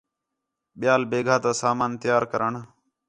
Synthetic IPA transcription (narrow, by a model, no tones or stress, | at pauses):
ɓɪjaːlbeːɡʱaːt̪aːsaːmaːnt̪ɪjaːɾkəɾəɳ